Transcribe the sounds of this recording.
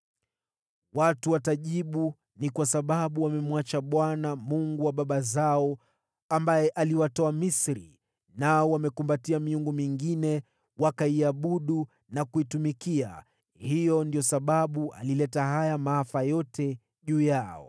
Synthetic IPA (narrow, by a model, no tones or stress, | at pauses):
watuwataʄiɓu | nikwasaɓaɓuwamɛmwat͡ʃaɓwanamuŋɡuwaɓaɓazaɔ | ambajɛʔaliwatɔamisɾḭ | naɔwamɛkumbatiamiuŋɡumiŋɡinɛ | wakaiaɓuɗu | nakuitumikia̰ | hijɔndiɔsaɓaɓua̰lilɛtaɦajamaafajɔtɛ | ʄuːjaɔ̰